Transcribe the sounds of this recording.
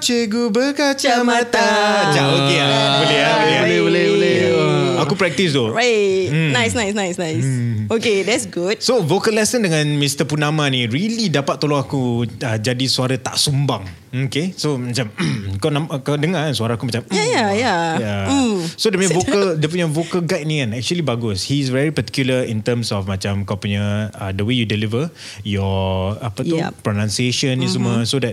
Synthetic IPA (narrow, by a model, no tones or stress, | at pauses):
t͡ʃeɡubəkat͡ʃamãt̪ad͡ʒaokebolɛhabolɛɦbolɛhbolɛhbolɛhakupɾɛk̚t̪is̬t̪oɹajnajsnajsnajsnajsokedɛtsɡut̚sovokəlɛsəndəŋãnmist̪əpunãmãniɾilidapat̪t̪ːoloŋakuəd͡ʒadisuaɾat̪a̰ʔsumbaŋ | okesomat͡ʃamkawnãmkadəŋansuaɾaakumat͡ʃamajajajasodɛmvokəldəpuɲavokəlɡajt̚nĩɛ̃nɛk̚t͡ʃuəlibaɡʊshis̬vɛɹipat̪i̥kjuləint̪əmsɔfmãt͡ʃamkapuɲaədəwejudilivə | jɔapət̪upɾonãnsieʃənisəməsodɛt̚